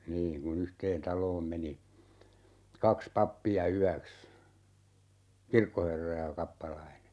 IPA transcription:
niːn kun yhteːn tɑloːm meni kɑks pɑpːiɑ yæks kirkːoherːɑ jɑ kɑpːɑlɑine

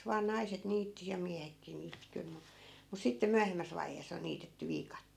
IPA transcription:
ʋɑː nɑiset niːtːi jɑ miæhekːiː niːtːi kyl mu mus sitːe myæhemːæs ʋɑiheːs on̆ niːtetːy ʋiːkɑtːeːl

